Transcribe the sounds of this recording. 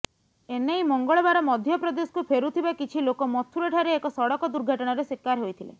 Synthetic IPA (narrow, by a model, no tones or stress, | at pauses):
enejmɔŋɡɔɭɔbaɾɔmɔd̪ʱjɔpɾɔd̪esɔ̥kupʰeɾut̪ʰibakit͡ʃʰilokɔmɔt̪ʰuɾeʈʰaɾeːkɔsɔɽɔkɔd̪uɾɡʱɔʈɔɽ̃ɔɾesekːaɾɦojt̪ʰilḛ